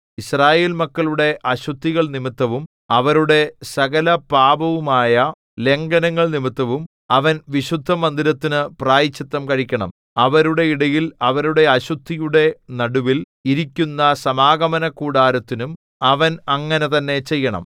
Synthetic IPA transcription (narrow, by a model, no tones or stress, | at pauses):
israːje̞ːlmɐkːɐɭuɽe̞ʔɐɕut̪ʰːiɣɐɭnimit̪ːɐʋum | ɐʋɐɾuɽe̞sɐɣɐlɐpaːbɐʋumaːjɐ | le̞ŋɡɐnɐŋːɐɭnimit̪ːɐʋum | ɐʋɐnʋiɕud̪ʱːɐmɐnd̪iɾɐt̪ːinɨpraːjit͡ɕːɐt̪ːɐmkɐɻikʲːɐɳɐ̰m | ɐʋɐɾuɽe̞iɽɐjilɐʋɐɾuɽe̞ɐɕut̪ʰːijuɽe̞nɐɽuʋil | iɾikʲːunːɐsɐmaːɡɐmɐnɐkuːɽaːɾɐt̪ːinum | ɐʋɐnɐŋːɐne̞t̪ɐnːe̞t͡ɕe̞jːɐɳɐ̰m